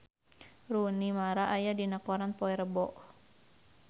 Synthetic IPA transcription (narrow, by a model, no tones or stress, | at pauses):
runimaɾaʔajadinakɔɾanpɔɛɾəbɔʔ